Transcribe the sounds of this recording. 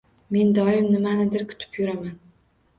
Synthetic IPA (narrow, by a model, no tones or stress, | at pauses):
me̞nd̪ɒɪmnɪmanɪd̪ɪɾkʰʊ̥t̪ʰɪ̥pjʊɾaman